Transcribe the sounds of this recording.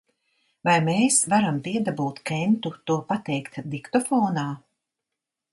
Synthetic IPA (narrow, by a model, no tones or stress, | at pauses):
vajmeːsvaɾamt̪iɛd̪abuːt̪kɛnt̪ut̪uɔpat̪ɛjkt̪d̪ikt̪ɔfɔːnaː